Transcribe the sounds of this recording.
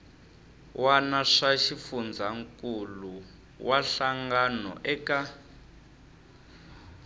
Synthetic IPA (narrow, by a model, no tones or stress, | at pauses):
wanaʂaʃifund͡zʱaŋkʼulu | waɬaŋɡanɔ̰ʔɛːka